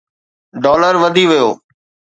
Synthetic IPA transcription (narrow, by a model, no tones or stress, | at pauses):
ɖɔːləɾʋəd̪ʱiʋɪjoː